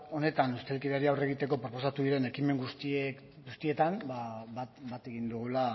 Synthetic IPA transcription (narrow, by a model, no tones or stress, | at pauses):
o̞ne̞t̪anust̪e̞lkiðeaɾiawre̞ɣit̪e̞kopɾo̞po̞sat̪uðiɾe̞ne̞kime̞ŋɡust̪i | ɡust̪iet̪anbabat̪e̞ɣind̪uɣula